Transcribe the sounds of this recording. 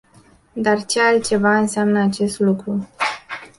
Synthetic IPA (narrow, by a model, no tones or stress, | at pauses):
d̪art͡ʃealt̪̚t͡ʃe̞vaɨnseamnəat͡ʃe̞st̪lukɾu